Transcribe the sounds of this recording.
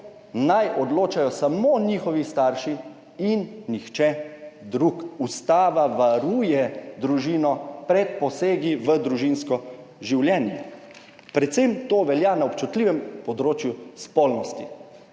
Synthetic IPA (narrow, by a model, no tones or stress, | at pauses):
najʔɔd̪loːt͡ʃajɔsamoːniːxɔʋist̪aːɾʃi | inːixt͡ʃɛd̪ɾukust̪aːʋaʋaɾuːjɛd̪ɾuʒiːnɔpɾɛt̪̚pɔseːɡiʋəd̪ɾuʒinskɔ | ʒiwljɛːnjɛ | pɾɛt̪semt̪oːʋɛljanaɔpt͡ʃut̪liːʋɛmpɔd̪ɾoːt͡ʃjuspɔːlnɔst̪i